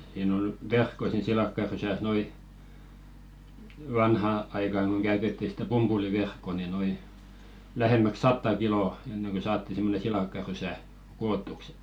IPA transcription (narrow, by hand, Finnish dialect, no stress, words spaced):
siːn ol ʋerkːo siːn silɑkːɑrysæs nĕ oli ʋɑnhɑ ɑikɑˑŋ ɡ̊oŋ ɡ̊æytetːi sĭtæ pumpuliʋerkːo ni noi læhemːæk sɑtːɑ kiloˑ enːeŋ kø sɑːtːi simːone silɑˑkːɑrysæ koːtːuks